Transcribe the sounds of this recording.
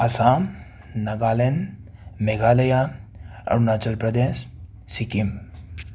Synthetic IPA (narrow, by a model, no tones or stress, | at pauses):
ɐsaːm | nɐɡaːlenmeɡʱaːlɐjaɐ̰ɾunaːt͡ʃɐlpɾɐd̪eːsː | ikim